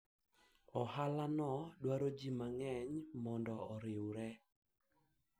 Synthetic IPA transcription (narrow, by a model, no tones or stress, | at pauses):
ɔhalanɔdwaɾod͡ʒimaŋɛɲmɔndɔɔɾɪwɾɛ